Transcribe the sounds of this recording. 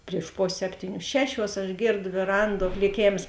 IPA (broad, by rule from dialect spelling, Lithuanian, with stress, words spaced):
pʲrʲiɛʃ ˈpoːsʲeː ˈsʲæːpʲtʲiːˌnʲuː ˈʃʲæːˌʃʲuɔs ɐʃ ˈɡʲeːrdoː ʋʲeːˈrɐnˌduɔ klʲɪˈkʲeːms